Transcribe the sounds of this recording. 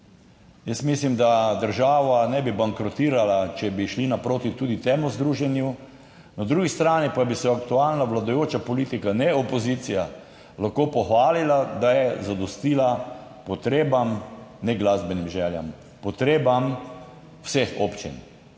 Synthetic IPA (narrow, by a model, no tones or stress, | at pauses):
jəsmislimd̪ad̪əɾʒaːʋanɛbibaŋkɾɔt̪iːɾalat͡ʃɛbiʃlinapɾoːt̪it̪uːd̪it̪eːmɔzd̪ɾuʒɛnju | nad̪ɾuɡist̪ɾaːnipabisɛak̚t̪ualnaʋlad̪ɔjoːt͡ʃapɔliːt̪ikanɛopozit̪sija | laxkoːpɔxʋaːlilad̪ajɛzad̪ɔst̪iːla | pɔt̪ɾeːbamnɛɡlazbɛnimʒɛːlja̰m | pɔt̪ɾeːbam | wsexopt͡ʃḭn